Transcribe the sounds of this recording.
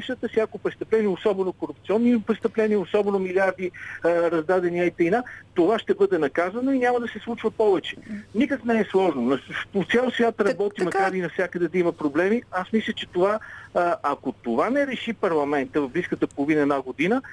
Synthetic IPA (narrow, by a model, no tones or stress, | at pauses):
ɛʃət̪əfsʲjakopɾɛst̪əplɛniːosɔbɛnokoɾup̚t̪siɔnːipɾɛst̪əplɛniːosɔbɛnomiliaɾd̪iɾɐzd̪ad̪ɛniait̪ɛjnat̪ovaʃt̪ɛbɤd̪ɛnɐkazənoinʲaməd̪ɐsɛslˠut͡ʃvəpɔvɛt͡ʃɛ̥nikəknɛɛslˠɔʒnonɐpot̪sʲalˠsvʲjat̪ɾɐbɔt̪imɐkaɾinɐfsʲakəd̪ɛd̪ɐiməpɾoblɛmiasmislʲət͡ʃɛt̪ova | ɐkot̪ovanɛɾɛʃipɐɾlˠɐmɛnt̪əvɐvbliskət̪əpolˠʊvinəɛd̪naɡod̪inə